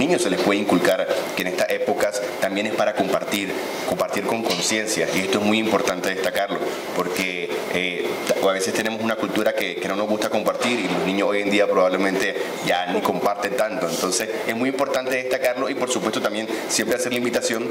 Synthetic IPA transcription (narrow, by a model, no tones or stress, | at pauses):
nĩɲo̞se̞le̞spwe̞ðeiŋkulkaɾkeːne̞st̪aʔe̞po̞kast̪ambje̞ne̞spaɾako̞mpaɾt̪iɾ | ko̞mpaɾt̪iɾko̞ŋko̞nsje̞nsjaʔḭe̞st̪o̞ezmujimpo̞ɾt̪ant̪e̞ð̞est̪akaɾlo̞ | po̞ɾkeeaβe̞sest̪e̞ne̞mo̞sunakult̪uɾake̞keno̞nozɣust̪ako̞mpaɾt̪iɾilo̞znĩɲosoje̞nd̪iapɾo̞βaβle̞mẽnt̪e̞ | ʝaniko̞mpaɾt̪ent̪ant̪o̞ent̪o̞nse̞se̞smujimpo̞ɾt̪ant̪e̞ðe̞st̪akaɾlo̞ipo̞ɾsupwest̪ot̪ambje̞nsje̞mpɾease̞ɾlaimbit̪asjo̞ŋ